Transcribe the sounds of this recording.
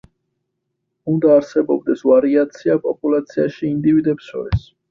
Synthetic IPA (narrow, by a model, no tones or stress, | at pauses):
und̪aːɾsɛbɔb̚d̪ɛsvaɾiat̪sʰiapʼɔpʼulat̪sʰiaʃiːnd̪ivid̪ɛpsɔ̰ɾɛ̰s